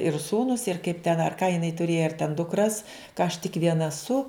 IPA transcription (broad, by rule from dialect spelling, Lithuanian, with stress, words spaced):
ɪr ˈsuːnʊs ɪr kɐɪp tʲɛn ɐr kɑː jɪˈnɐɪ tʊˈrʲeːjɛ ɐr tʲɛn dʊkˈrɐs kɐ ɐʃ tʲɪk ˈʋʲiɛnɐ ɐˈsʊ